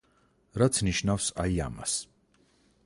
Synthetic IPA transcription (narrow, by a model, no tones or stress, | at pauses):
ɾat̪sʰniʃnafsaia̰ma̰s